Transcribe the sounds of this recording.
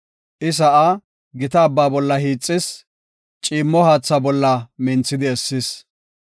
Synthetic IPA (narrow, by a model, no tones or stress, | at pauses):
ʔɪs̬ɐʔa | ɡɪt̪ɐːbːaːbɔlːɐhiːt͡sʼːɪs | t͡ʃʼiːmːɔhaːt͡sːɐbɔlːɐmɪnt͡sːɪd̪ɪɛsːɪs